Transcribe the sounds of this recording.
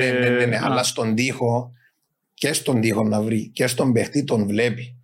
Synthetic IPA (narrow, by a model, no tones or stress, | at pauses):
eneneneʔɐ̰lːɐst̪o̞nd̪ixo̞ | cest̪o̞nd̪ixo̞nːɐvɾicest̪o̞mbext̪it̪o̞nvle̞pi̥